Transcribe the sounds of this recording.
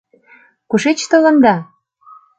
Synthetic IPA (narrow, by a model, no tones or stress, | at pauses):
kuʃet͡ɕt̪ə̆lə̆nd̪ɑ